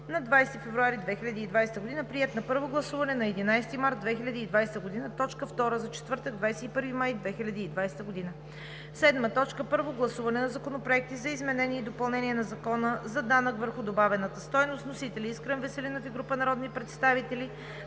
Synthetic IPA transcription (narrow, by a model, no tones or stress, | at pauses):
nɐd̪vajst̪ifɛvɾuaɾid̪vɛxilʲɐd̪iːd̪vajsɛt̪əɡod̪inəpɾiɛt̪nɐpɤɾvoɡlˠɐsuvɐnɛnɐɛd̪inajst̪imaɾt̪̚d̪vɛxilʲɐd̪iːd̪vajst̪əɡod̪inət̪ɔt͡ʃkəft̪ɔɾəzɐt͡ʃɛ̥t̪vɤɾt̪əɡd̪vajsɛipɤɾvimajd̪vɛxilʲɐd̪iːd̪vajst̪əɡod̪inə | sɛd̪mət̪ɔt͡ʃkəpɤɾvoɡlˠɐsuvɐnɛnɐzɐkonopɾoɛk̚t̪izɐizmɛnɛniɛid̪opɐlˠnɛniɛnɐzɐkɔnəzɐd̪anəkvəɾxʊd̪obavɛnət̪əst̪ɔjnost̪nosit̪ɛlʲiiskɾənvɛsɛlinofiɡɾupənɐɾɔd̪nipɾɛt̪st̪avit̪ɛli